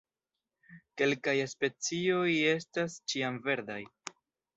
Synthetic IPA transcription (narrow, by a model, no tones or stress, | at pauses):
ke̞lkajespe̞t͡sio̞je̞s̬tast͡ʃiamve̞ɾd̪aj